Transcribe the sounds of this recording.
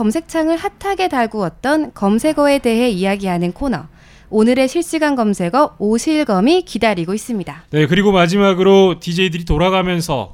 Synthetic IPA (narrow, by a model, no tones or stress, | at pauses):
kʌmsʰe̞k̚t͡ɕʰaŋɯɭhatʰaɡe̞taɭɡuʌt̚t͈ʌnkʌmsʰe̞ɡʌe̞de̞ɦe̞ijaɡiɦanɯnkʰonʌ | onɯɾe̞ɕʰiɭɕ͈iɡanɡʌmsʰe̞ɡʌoɕʰiɭɡʌmikidaɾiɡois͈ɯmɲidane̞kɯɾiɡomad͡ʑimaɡɯɾotid͡ʑe̞idɯɾitoɾaɡamjʌnsʰʌ̰